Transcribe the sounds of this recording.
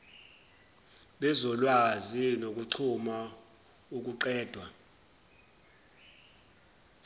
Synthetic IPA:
ɓɛzɔlwazinok̬ʼuǀʰuma | uk̬uǃɛːd̥ʱwa

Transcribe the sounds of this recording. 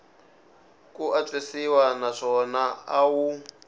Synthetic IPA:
kuʔat͡ɬesiwanaʂɔnaawu

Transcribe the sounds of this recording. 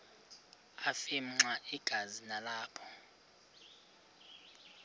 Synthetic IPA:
afim̩ŋ͡ǀaʔiɡ̥ʱazinalaːpʰɔ̥

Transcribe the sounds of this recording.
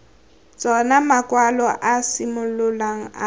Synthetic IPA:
t͡sʼɔnamakʼwalɔʔasɪmʊlʊlaŋ̩a

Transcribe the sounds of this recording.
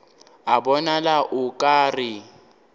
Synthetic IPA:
abɔnalaʔʊkʼaːrɪ

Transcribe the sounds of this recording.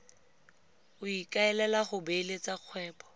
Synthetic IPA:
ʊikʼaɛlɛlaχʊbelet͡saq͡χʰwɛːpɔ̥

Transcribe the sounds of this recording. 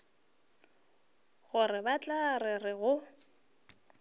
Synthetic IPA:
ɣʊrɪbat͡ɬʼarɪrɪɣʊ

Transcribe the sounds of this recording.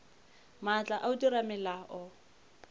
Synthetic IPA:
mat͡ɬʼaʔaudiɾamɛlaʔɔ

